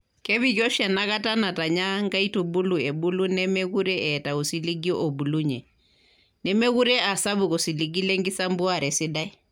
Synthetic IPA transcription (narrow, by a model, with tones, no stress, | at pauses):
kɛ˦βi˦˨kjɔ˦ʃja˨na˦ka˦ta˦na˨ta˨ɲa˦ŋɡa˦i˦tu˨bu˦lu˨ɛ˨bu˦lu˦nɛ˦mɛ˦ɣu˦ɾɛ˦ɛ˨ta˨u˨si˦li˦ɡjɔ˦ʔo˨bu˨lu˦ɲɛ˨ | nɛ˦mɛ˦ɣu˦ɾɛ˦a˨sa˦bu˨ko˨si˨li˦ɡi˦lɛ˦ŋɡɪ˦sa˦mbwa˦˨ɾɛ˨sɪ˦da˦j